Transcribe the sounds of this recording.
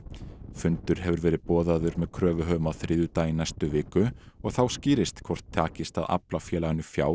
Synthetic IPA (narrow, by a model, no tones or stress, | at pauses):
fʏnt̪ʏɾ̥ɦɛvʏɾvɛːɾɪðpɔːðaðʏɾmɛðkʰɾœːvʏɦœːmaθɾʔɪːðʏt̪ajɪnːajst̪ʏvɪːkʏ | ɔɣθawsciːɾɪst̪kʰvɔr̥t̪ʰːaːcɪst̪aða̰plafjɛːlaɣɪnːʏfja̰ːw